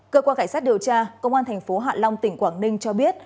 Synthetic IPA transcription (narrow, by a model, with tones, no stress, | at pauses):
kəː˧kwaː˧nkaː˧˩jsaː˦˥t̚ɗi˨˩əwt͡ɕaː˧kə˧wŋ͡mʔaː˧nt̪ʰɛ˨˩jŋ̟fo˨˦ɦa̰ː˧˨la˧wŋ͡mt̪ï˧˩ŋ̟kwaː˧˩ŋnï˧ŋ̟t͡ɕɔ˧ɓi˦˥ət̚